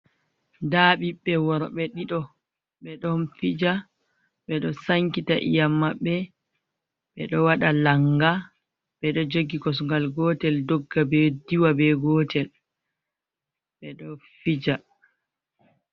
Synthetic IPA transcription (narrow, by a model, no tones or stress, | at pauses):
daːɓiɓːɛwɔɾɔɓɛɗiɗɔ | ɓɛɗɔnfid͡ʒa | ɓɛɗɔsaŋkitaʔḭjamːaɓːɛ | ɓɛ̰ɗɔwaɗalaŋɡa | ɓɛɗɔd͡ʒoɡikɔs̬uŋɡalɡɔːtɛldɔɡːabɛdiwabɛɡɔtɛl | ɓɛɗɔfid͡ʒa